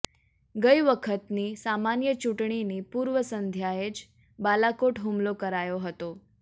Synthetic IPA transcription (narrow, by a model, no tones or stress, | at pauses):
ɡəiʋəkʰət̪niːsamanjət͡ɕuʈɳ̃iniːpuːɾʋəsənd̪ʱjajet͡ɕ | balakoʈɦumlokəɾajoɦət̪o